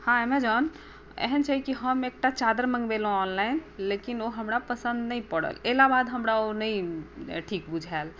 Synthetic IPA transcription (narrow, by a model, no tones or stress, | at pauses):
hãemɛ̃d͡ʒan | ɛ̰ɦənt͡ʃʰaɦikiɦəmek̚ʈat͡ʃad̪əɾmə̃ŋɡbelõɔnlainlekinoɦəmɾapəsə̃nd̪nəĩpəɽə̰lɛlabad̪ɦəmɾaonəĩʈʰikbud͡ʒʱal